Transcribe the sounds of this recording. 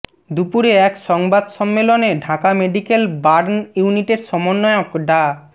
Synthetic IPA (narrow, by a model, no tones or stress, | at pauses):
d̪upuɾeɛkʃɔŋbad̪ʃɔmːeloneɖʱakameɖikelbaɾnjuniʈeɾʃɔmonːɔjokɖa